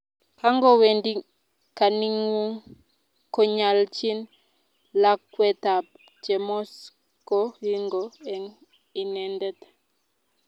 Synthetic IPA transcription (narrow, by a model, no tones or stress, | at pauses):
kaŋɡowendi | kaniŋwuŋ | koɲalt͡ʃin | lakwetap̚ | t͡ʃemos | kohiŋɡoeŋ | inendet